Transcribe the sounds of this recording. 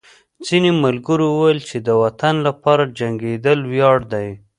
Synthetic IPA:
d͡zinemalɡəɾowəwajəlt͡ʃed̪əwat̪anlapɑɾad͡ʒaŋɡed̪əlwjɑɽd̪aj

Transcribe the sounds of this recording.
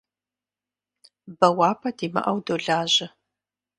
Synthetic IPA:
bɐwaːpʰɐdiːmɐ̰ʔɐwdoːɮaːʑɪ

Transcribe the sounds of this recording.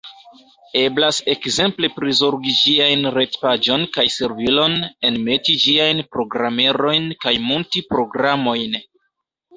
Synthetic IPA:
e̞blase̞kze̞mple̞pɾizoɾɡid͡ʒiajnɾe̞tpad͡ʒo̞nkajse̞ɾvilo̞ne̞nme̞tid͡ʒiajnpɾo̞ɡɾame̞ɾo̞jnkajmuntipɾo̞ɡɾamo̞jn

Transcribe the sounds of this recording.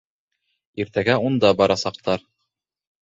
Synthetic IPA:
iɾt̪æɡæund̪ɑbɑɾɑsɑq̚t̪ɑɾ

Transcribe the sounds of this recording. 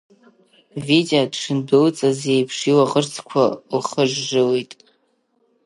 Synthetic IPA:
videodʂɨndɨlt͡sʼazejpʰʂiwaʁərt͡sʰkʷʰalχəʐːɨwijtʼ

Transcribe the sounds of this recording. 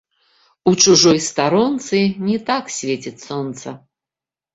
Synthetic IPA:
ut͡ʂuʐɔjst̪aɾɔnt̪sɨnʲɛt̪aksʲvʲet͡sʲit͡sʲsɔnt̪sɐ

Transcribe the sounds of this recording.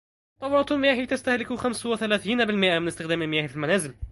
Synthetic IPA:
t̪ˤːɑwɾˤɑt̪mɪjaːhit̪ast̪ahlɪkxamswɪθalæːθiːnabɪlmɪʔamɪnɪst̪ɪxd̪æːmalmɪjaːhfilmænæːzɪl

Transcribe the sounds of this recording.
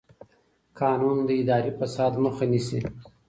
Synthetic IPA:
kɑːnund̪əɪd̪ɑɾifasɑːd̪məxanisi

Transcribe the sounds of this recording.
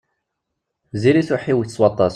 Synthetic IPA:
ziliθʊħiwiθəsˤwɑt̪ˤːɑs

